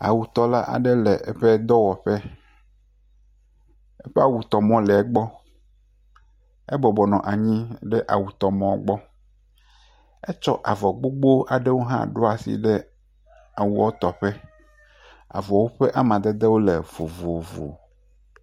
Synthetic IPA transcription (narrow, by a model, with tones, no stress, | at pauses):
a̰˨wu˨t̪ɔ˦la˦ʔa̰˨ɖɛ˦lɛ˨ʔɛ˦ɸe˦d̪ɔ˦wɔ˨ɸɛ˦ | ɛ˦ɸe˦a˨wu˨t̪ɔ˨mɔ̃˦lɛ˨ɛ˦ɡ͡bɔ˦ | ɛ˦bɔ˨bɔ˨nɔ̃˨ʔa˨ɲĩ˦ɖɛ˦ʔa̰˨wu˨t̪ɔ˨mɔ̃˦˨˦ɡ͡bɔ˦ | ɛ˦t͡ʃɔ˦ʔa˨vɔ˨ɡ͡bo˦ɡ͡bo˦a˨ɖe˦wo˦ɦã̰˦ɖo˦a˨sḭ˦ɖɛ˦ | a˨wu˦ɔ˦t̪ɔ˨ɸɛ˦ | a̰˨vɔ˨ɔ˨wo˦ɸe˦ʔa˦mã˨d̪e˦d̪e˦wo˦le˨vo˨vo˨vo̰˨